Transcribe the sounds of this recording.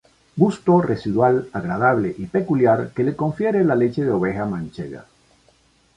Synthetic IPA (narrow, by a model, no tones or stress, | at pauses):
ɡust̪o̞rʔe̞siðwalaɣɾað̞aβ̞le̞ʔipe̞kuljaɾke̞le̞ko̞ɱfje̞ɾelale̞t͡ʃe̞ðeo̞β̞e̞xamãnt͡ʃḛɣa̰